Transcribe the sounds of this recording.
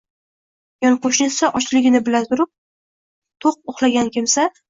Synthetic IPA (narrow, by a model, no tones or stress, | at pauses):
jɒnqʰoʃnɪsaʔɒt͡ʃlɪɡʲɪnɪbɪlazʊɾɪp̚ | t̪ʰoq̚oχlˠaɡʲankʲʰɪmsa